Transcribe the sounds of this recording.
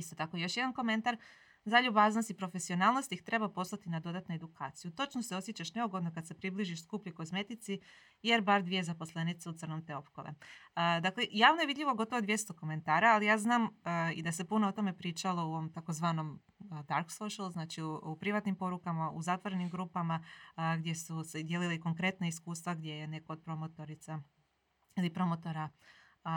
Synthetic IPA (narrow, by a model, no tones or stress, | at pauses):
ist̪ot̪akojo̞ʃjed̪anko̞me̞nt̪aɾ | zaʎubaːznost̪ipɾo̞fesio̞naːlˠnost̪ixt̪ɾe̞bapo̞slˠat̪inad̪o̞d̪at̪nued̪ukʰaːt̪sijut̪o̞t͡ʃnose̞o̞sjet͡ɕaʃne̞uɡo̞d̪nokad̪se̞pɾibliʒiʃskuːpʎuko̞sme̞t̪it̪si | jeɾbaɾd̪ʋije̞zapo̞slˠe̞nit̪seut̪sər̩nomt̪e̞o̞pkoʋḛd̪akle̞jaːʋnojeʋid̪ʎʲiʋoɡo̞t̪o̞ʋod̪ʋje̞st̪o̞ko̞me̞nt̪aːɾaːlijaːznaːmḭd̪ase̞punoot̪o̞me̞pɾiːt͡ʃalo̞ouomt̪ako̞zʋaːno̞m | d̪aɾksoʃalˠuznaːt͡ʃiuupɾiʋat̪nimpo̞ɾukamauzat̪ʋoɾe̞nimɡɾupamaɡd̪ʲje̞sused̪je̞lileko̞ŋkɾe̞t̪naiskuːst̪ʋaɡd̪je̞jene̞koːd̪̚pɾo̞mot̪o̞ɾit̪sa | ilipɾo̞mot̪o̞ɾa